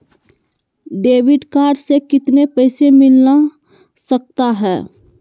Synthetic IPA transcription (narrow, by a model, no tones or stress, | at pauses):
ɖeːʋɪɖkaːɾɖsekɪt̪nepəɪsemɪlna | sək̚t̪aɦɛː